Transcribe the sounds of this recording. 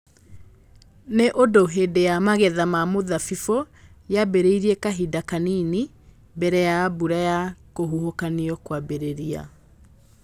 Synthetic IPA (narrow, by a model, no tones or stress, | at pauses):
neʔodoɦedejamaɣɛðamamoðafifo | jabeɾeiɾiɛkaɦidakanini | bɛɾɛjabuɾajakoɦuɦokaniɔkwabeɾeɾia̰